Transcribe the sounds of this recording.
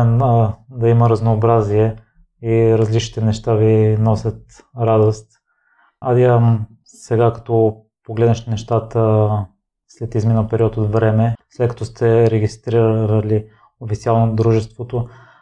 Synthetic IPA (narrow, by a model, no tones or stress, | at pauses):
ɛnəd̪ɐimɐɾɐznoːbɾaziɛ | iɾɐzlit͡ʃnit̪ɛnɛʃt̪avinɔsʲət̪ | ɾad̪ost̪ | ad̪iəm | sɛɡakɐ̥t̪ɔ | poɡlɛd̪nəʃt̪ɛnɛʃt̪at̪ə | slɛt̪izminəpɛɾiɔt̪ot̪vɾɛmɛslɛt̪kɐ̥t̪ɔst̪ʰɛɾɛɡist̪ɾiɾɾəli | ofit̪sialˠnod̪ɾuʒɛst̪vot̪o